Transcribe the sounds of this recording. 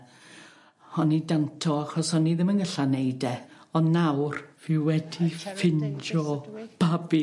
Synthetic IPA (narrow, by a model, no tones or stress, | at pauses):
hɔnidantʰɔaχɔsɔniðɪmənɡəɬanejdɛɔnnːawrvɪwɛdifɪnd͡ʒɔb̥abi